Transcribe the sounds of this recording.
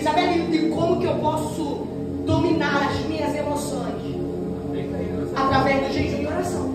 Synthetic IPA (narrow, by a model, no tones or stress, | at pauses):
sabalĩʊd̪ɪ̃kõmʊkɪewpɔsʊ | d̪ominaɾɐzmĩɲɐzemosõj̃ʃ | ɐ̃ẽt̪ẽ | sat̪ɾavɛzd̪ʊʒẽjsɐ̃mĩoɾasɐ̃w̃